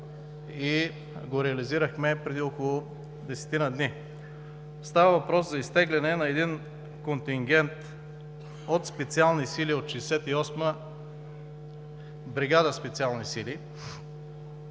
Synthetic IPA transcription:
i | ɡoɾɛɐliziɾəxmɛpɾɛd̪iokolˠʊ | d̪ɛsɛ̥t̪inəd̪ni | st̪avəvɐpɾɔszɐist̪ɛɡlɛnɛnɐɛd̪in | kont̪iŋɡʲɛnt̪ | ot̪spɛt̪sialˠnisiliot̪ʃɛsɛt̪iɔsmə | bɾiɡad̪əspɛt̪sialˠnisili

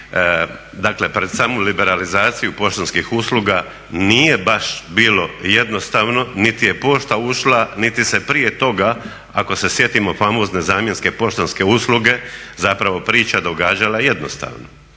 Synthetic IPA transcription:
d̪akle̞pɾe̞d̪saːmulibe̞ɾalizaːt̪sijupo̞ʃt̪onskixusluɡa | nije̞baʃbiːlo̞je̞d̪no̞st̪aːʋno̞nit̪ije̞po̞ːʃt̪auʃlanit̪ise̞pɾije̞t̪o̞ɡa | ako̞se̞sje̞t̪imo̞famo̞ːzne̞zaːmje̞nske̞po̞ʃt̪onske̞usluɡe̞zapɾaʋo̞pɾiːt͡ʃad̪o̞ɡaːd͡ʒalaje̞d̪no̞̰st̪a̰ːʋno

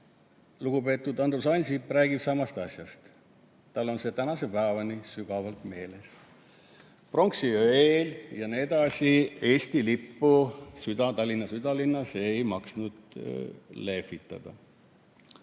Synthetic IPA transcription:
luɡ̥upe̞ːt̪ːˑud̪ɑnd̪usɑnʲsipːræːɡ̥ib̥sɑmɑst̪ɑsʲjɑst̪ | t̪ːɑlːo̞nse̞t̪ænɑse̞pæːvɑnisyɡ̥ɑvɑlt̪me̞ːle̞s | pro̞ŋksiøeljɑned̪̥ɑsʲie̞ːst̪ilipːusyd̪̥ɑt̪ɑlʲːinːɑsyd̪̥ɑlinːɑse̞jmɑksnud̪̥ | le̞fit̪ːˑɑ̰d̪̥ɑ̰

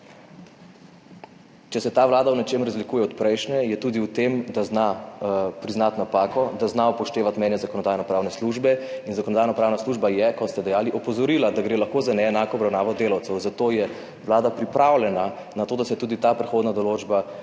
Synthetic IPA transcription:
t͡ʃɛsɛt̪aːʋlaːd̪awnɛt͡ʃeːmɾazlikuːjɛɔt̪pɾɛjʃnɛjɛt̪uːd̪iwt̪emd̪aznapɾiznat̪napaːkɔd̪aznaɔpɔʃt̪eːʋat̪mɛjnjɛzakɔnɔd̪ajnɔpɾaːwnɛsluʒbɛinzakɔnɔd̪aːjnapɾaːwnasluːʒbajɛkɔst̪ɛd̪ɛjaːliʔɔpɔzɔɾiːlad̪aɡɾeːlaxkoːzanɛːnaːkɔːbɾawnaːʋɔd̪eːlawt̪sɛwzat̪oːjɛ | ʋlaːd̪apɾipɾawlʲɛna | nat̪oːd̪asɛt̪uːd̪it̪apɾɛxoːd̪nad̪ɔloːd͡ʒba

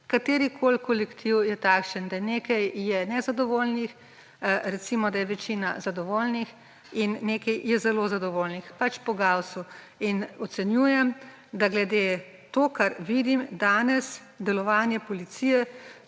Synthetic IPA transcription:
kat̪eːɾikʰoːlkɔlɛkt̪ʰiwjɛt̪aːkʃənd̪aneːkɐjjɛnɛzad̪ɔʋoːlnix | ɾɛt̪simɔd̪ajɛʋɛt͡ʃiːna̰zad̪ɔʋoːlnix | inːekɐjjɛzɛlozad̪ɔʋoːlnixpat͡ʃpɔɡawsu | inɔt̪sɛnjuːjɛm | d̪aɡlɛd̪e | t̪okaɾʋid̪imd̪aːnɛs | d̪ɛlɔʋaːnjɛpɔlit̪sijɛ

